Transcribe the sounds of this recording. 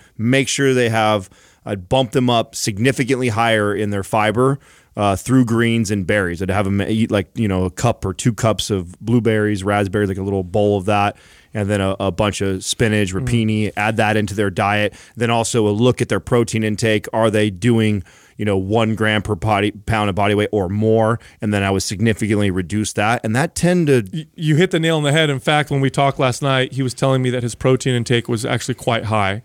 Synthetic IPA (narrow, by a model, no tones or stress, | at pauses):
meɪkʃʊɹðeɪəv̥ | ʌbʌ̃mp̚ðɨ̃mʌp̚sɨɡ̚nɪfɨkɨ̃nʔliɦaɪə˞ɪ̃nðə˞faɪbə˞ | ʌθɹʉɡɹĩnzɨ̃nbɛɹizɾɨɨvɨmilaɪk̚jɨñoʊəkʰʌpə˞tʰʉkʰʌpsʌvblubɛɹizɹæzbɛɹizlaɪkəlɪɾl̩ˠboʊlˠʌvðæt̚ | ɨ̃nðɨ̃ñəʔəbʌ̃nt͡ʃʌvspɪ̃nɪd͡ʒɹɨpʰĩniʔæd̪̚ðəɾɪ̃ntʉðə˞daɪɨt̪̚ðɨ̃ñɔlˠsoʊəlʊkɨt̪̚ðə˞pʰɹ̥oʊtʰĩnɨ̃ntʰeɪkʰə˞ðeɪdʉɪ̃ŋ | jɨñoʊwʌ̃nɡɹæ̃mpʰə˞pʰɑɾipʰãʊ̃ndəbɑɾiweɪʔə˞mɔɹɨ̃nðɨ̃ñaɪwʌd̥sɨɡ̚nɪfɨkɨ̃nʔliɹɨdʉsðæɾ̚ɨ̃nðɨtʰɛ̃ntɨjɨhɪt̪̚ðɨneɪlˠə̃nðɨɦɛɾɨ̃nfæk̚t̚wə̃nwitʰɔk̚tˡlæstⁿnaɪt̚hiwʌz̥tʰɛlˠɪ̃ŋmiðɨt̚hɨz̥pʰɹ̥oʊtʰĩñɨ̃ntʰeɪkwʌzæ̰k̚t͡ʃʉl̩ˠikʰw̥aɪt̚ɦaɪ